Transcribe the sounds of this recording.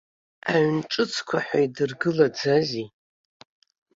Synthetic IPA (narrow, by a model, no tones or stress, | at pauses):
a̰ɥnʈ͡ʂʼɨt͡sʰkʷʰaħʷaidɨrɡɨlad͡zazi